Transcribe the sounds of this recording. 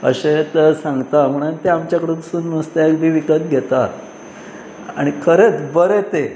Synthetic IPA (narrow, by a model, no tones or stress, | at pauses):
ə̰ɕet̪əsãŋɡt̪am̤əɽ̃ənt̪eamt͡ɕjakəɽũt̪suːnməst̪eekbʱiːʋikət̪̚ɡʱet̪a | a̰ɽ̃ikʰəɾet͡sbəɾet̪e